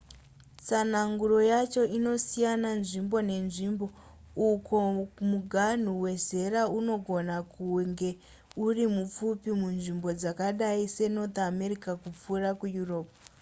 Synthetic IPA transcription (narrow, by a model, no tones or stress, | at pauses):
t͡sanaŋɡuro̞jat͡ʃo̞ʔino̞sijananʐimbo̞ne̞nʐimbo | uko̞muɡʱan̤uwe̞ze̞ɾauno̞ɡʱo̞nakuŋɡe̞ | urimup͡fupimunʐimbo̞d͡zakaɗaise̞not̪ame̞rikakup͡furakujuro̞ːp̚